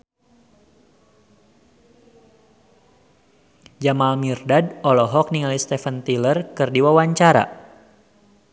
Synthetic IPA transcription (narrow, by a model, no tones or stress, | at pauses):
d͡ʒamalmirdadɔlɔɦɔk̚niŋalist̪ɛfant̪ilərkɨrdiwawaɲt͡ʃaɾa̰